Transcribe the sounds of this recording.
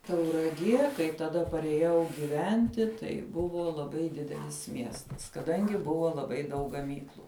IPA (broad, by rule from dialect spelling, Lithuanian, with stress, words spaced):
tɐʊrɐˈɡʲiɛ kɐɪ tɐˈdɐ pɐrʲeːˈjɛʊ ɡʲɪˈʋʲɛnʲtʲɪ tɐɪ ˈbʊʋoː lˠɐˈbɐɪ ˈdʲɪdʲɛlʲɪs ˈmʲiɛstɐs kɐˈdɐŋʲɡʲɪ ˈbʊʋoː lˠɐˈbɐɪ dɐʊk ɡɐˈmʲiːklˠʊ